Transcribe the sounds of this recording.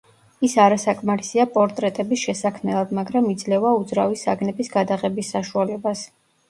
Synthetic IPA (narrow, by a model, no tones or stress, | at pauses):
isaɾasakʼmaɾisiapʼɔɾt̪ʼɾɛt̪ʼɛbisʃɛsakʰmɛlˠad̪maɡɾamid̪zlɛvaud̪zɾavisaɡnɛbisɡad̪aʁɛbisːaʃualɛbas